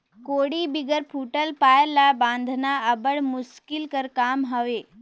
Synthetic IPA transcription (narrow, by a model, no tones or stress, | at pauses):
koːɽibɪɡəɾpʰuːʈəlpaːəɾlaːbãːnd̪ʱnaɐbəɽmʊʃkɪlkɐɾkaːmɦɐʋeː